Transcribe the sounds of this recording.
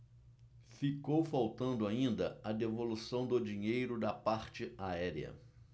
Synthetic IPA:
fikowfawt̪ɐ̃nd̪ʊaĩnd̪ɐɐd̪evolusɐ̃w̃d̪ʊd͡ʒĩɲejɾʊd̪ɐpaɾt͡ʃɪaɛɾjɐ̰

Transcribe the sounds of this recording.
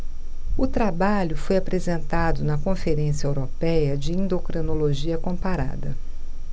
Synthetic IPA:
ʊt̪ɾabaʎʊfojapɾezẽnt̪ad̪ʊnɐkõfeɾẽsjɐewɾopɛjɐd͡ʒɪẽnd̪okɾenoloʒiɐkõpaɾa̰d̪ɐ

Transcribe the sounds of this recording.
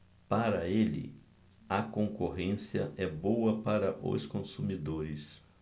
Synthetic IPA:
paɾɐelɪ̰ | ɐkõŋkoɦẽsiɐ̰ʔɛbowɐpaɾɐʔʊ̰skõsumid̪oɾɪs

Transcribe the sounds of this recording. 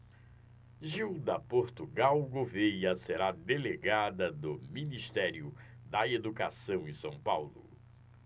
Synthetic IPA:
ʒiwd̪ɐpoɾt̪uɡawɡovejɐseɾad̪eleɡad̪ɐd̪ʊminiʃt̪ɛɾiʊ | d̪ɐed̪ukasɐ̃w̃ẽsɐ̃w̃pawlʊ̰

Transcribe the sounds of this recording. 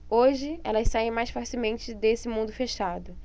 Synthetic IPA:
oʒɪɛ̰lɐsaẽj̃majsfaɾsɪmẽnt͡ʃɪd̪esɪmũnd̪ʊfeʃad̪ʊ

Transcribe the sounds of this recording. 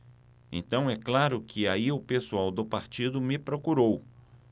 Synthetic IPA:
ḛ̃nt̪ɐ̃w̃ɛklaɾʊkʰɪaiʊpesuawd̪ʊpaɾt͡ʃid̪ʊmɪpɾokuɾow

